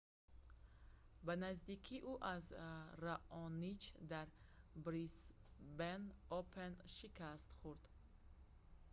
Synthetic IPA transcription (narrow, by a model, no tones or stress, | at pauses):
banazd̪ikʰiʔuʔazɾaʔɔnit͡ʃd̪aɾ | bɾisbenɔpʰenʃikast̪χuɾd̪̥